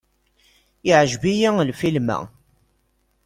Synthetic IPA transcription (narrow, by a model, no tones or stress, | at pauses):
ɪʕəʒbijælfilmæ̰